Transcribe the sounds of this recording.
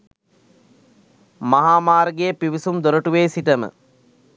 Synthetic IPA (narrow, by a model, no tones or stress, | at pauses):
maɦaːmaːɾɡejəpiʋisumd̪oɾəʈuʋeːsiʈəmə̰